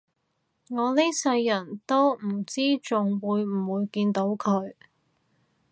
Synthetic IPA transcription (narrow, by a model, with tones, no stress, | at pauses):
ŋɔː˨˧leː˥sɐ˧jːɐ˨˩nt̪o˥wm̩˨˩t͡siː˥t͡sʊ˨ŋwuː˨˧jm̩˨˩wuː˨˧jkiː˧nt̪o˨˥wkʰɵ˨˧ɥ